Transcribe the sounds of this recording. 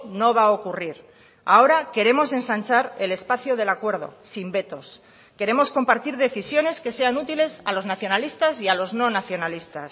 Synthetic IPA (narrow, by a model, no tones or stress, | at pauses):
no̞βao̞kuriɾ | a̰o̞ɾake̞ɾe̞mo̞se̞nsant͡ʃaɾe̞le̞spaθjoð̞e̞lakwe̞ɾð̞o̞̰simbe̞t̪o̞s | ke̞ɾe̞mo̞sko̞mpaɾt̪iɾðe̞θisjone̞ske̞se̞anut̪ile̞salo̞znaθjo̞nalist̪asialo̞zno̞naθjo̞nalist̪a̰s